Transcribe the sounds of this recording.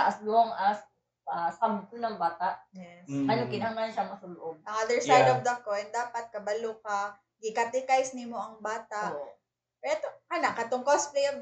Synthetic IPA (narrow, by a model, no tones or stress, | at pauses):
ɐʔɐslʊhoŋɐs | asab̚t̪ʊnɐŋbaːt̪aʔjɛsʔɐnokɪnɐhaŋanʃamɐsɐlʊʔob̚ʔɐŋʔad̪ɛɹsajd̪ɔvd̪ɐkojnd̪aːpɐt̪̚kɐbɐlukɐ | ɡɪkat̪ɪkajsnɪmoʔɐŋbaːt̪aʔ | ɛt̪okanaʔkɐt̪oŋkosplejɐf